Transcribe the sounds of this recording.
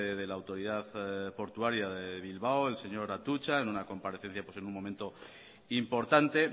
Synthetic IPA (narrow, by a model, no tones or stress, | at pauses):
eðe̞laːwt̪o̞ɾiðaðpo̞ɾt̪uaɾjaðeβ̞ilβaoe̞lse̞ɲo̞ɾat̪ut͡ʃaenunako̞mpaɾe̞θe̞n̟θjapwese̞nuŋmo̞mẽnt̪o̞ | impo̞ɾt̪ant̪e̞